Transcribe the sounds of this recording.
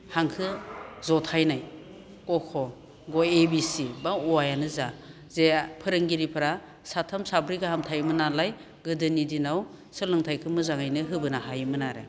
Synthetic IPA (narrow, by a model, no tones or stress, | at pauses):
haŋkʰɯzɔtʰajnaj | kɔkʰɔ | ɡɔebisibauajanɯza | zepʰɯɾɯŋɡiɾipʰɯɾa | satʰamsabɾiɡɯhamtʰajmɯnalaj | ɡɯdɯnidinaw | sɯlɯŋtʰajkʰɯmɯzaŋajnɯɦɯbɯnaɦajmɯnaɾɯ̰